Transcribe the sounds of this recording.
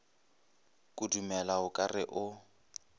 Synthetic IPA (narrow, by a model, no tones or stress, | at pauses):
kʼʊdumɛlaʊkʼarɪʔʊ